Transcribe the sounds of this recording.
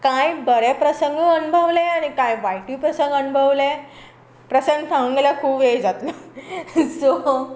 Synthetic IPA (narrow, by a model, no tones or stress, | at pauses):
kajbəɾepɾəsəŋɡəənubʱəʋleañikajʋajʈuːpɾəsəŋɡənubʱəʋle | pɾəsənd̪sʰãʋuŋɡelakʰuːbed͡zat̪lə | so